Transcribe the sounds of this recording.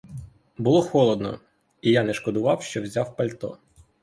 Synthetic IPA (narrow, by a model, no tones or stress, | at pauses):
bʊlˠɔxɔlˠɔd̪nɔ̰ | ijanɛʃkɔd̪ʊʋɑwʃt͡ʃɔwzʲawpɐlʲt̪ɔ̰